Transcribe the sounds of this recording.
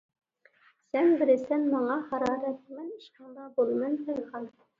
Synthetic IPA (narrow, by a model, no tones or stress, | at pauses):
sɛnbɪɾɪsɛnmɑŋɑχɑɾɑːɾɛt̪̚mɛniʃqɑŋd̪ɑbolˠmɛnk̪ʰɛlʁɑn